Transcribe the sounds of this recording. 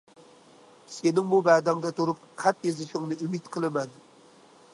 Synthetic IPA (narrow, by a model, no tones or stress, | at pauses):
senɪŋmubæd̪æŋd̪ɛt̪ʰuɾup̚qʰæt̪jezɪʃɪŋnɨymit̪qʰəlˠɨmɛn